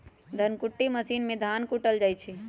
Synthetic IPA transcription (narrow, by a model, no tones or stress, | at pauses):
d̪ʱənkuʈːiməsiːnmẽd̪ʱaːnkuʈəld͡ʒaːjt͡ʃʰi